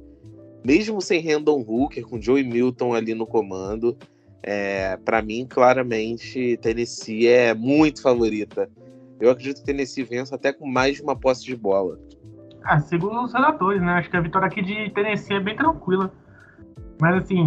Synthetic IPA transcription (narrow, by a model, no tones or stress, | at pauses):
meʒmʊsẽj̃ɦẽnd̪õhukeɾkõd͡ʒowĩmiwt̪õw̃alinʊkomɐ̃nd̪ʊ | ɛpɾɐmĩklaɾɐmẽnt͡ʃɪt̪enesiɛmũj̃t̪ʊ̥favoɾit̪ɐ | ewakɾed͡ʒit̪ʊ̥kɪt̪enesivẽsat̪ɛkõmajzd͡ʒũmɐpɔsɪd͡ʒɪbɔlɐ | kasɪɡũd̪ʊʊshed̪at̪oɾɪsnɛaʃʊ̥kɪɐvit̪ɔɾjakid͡ʒɪt̪enesiɛbẽj̃t̪ɾɐ̃ŋkwilɐ | mɐzasĩ